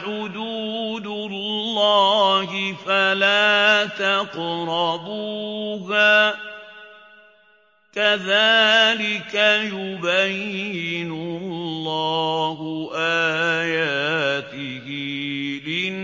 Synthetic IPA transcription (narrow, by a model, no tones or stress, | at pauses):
ħʊd̪uːd̪ʊllːaːhɪfalaːt̪aqɾˤɑbuɦaː | kaðaːlɪkajʊbajːɪnʊllːaːhʊʔaːjaːt̪ɪhilɪ